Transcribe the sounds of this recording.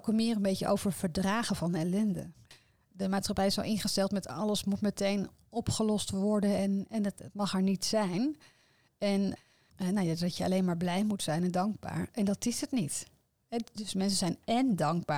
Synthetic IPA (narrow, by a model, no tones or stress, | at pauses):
kəmɪːrənbejcəʔo̰wvəɹv̥əɹdraːχəvɑnɛlɛndə̰ | dəmaːtsχɑpɛjɪsɑ̰lˠʔɪnχəstɛlˠtmɛtɑləsmutmətejn | ɔpχəlɔstʋɔɹdənɛnɛnttmɑχɦɛɹnitsɛjn | ɛn | nowjadɪsdɑcəɑ̰lejnmaːɹblɛjmutsɛjnɛndɑŋɡ̚ba̰ːɹʔɛndɑtɪsətnit | ɛdɵsmɛns̬əzɛjnɛndɑŋɡ̚baː